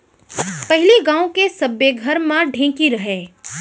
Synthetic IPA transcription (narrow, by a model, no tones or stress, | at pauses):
pɐɦɪliɡãːõkesɐbeɡʱɐɾmãɖʱẽːkiɾɐɦeː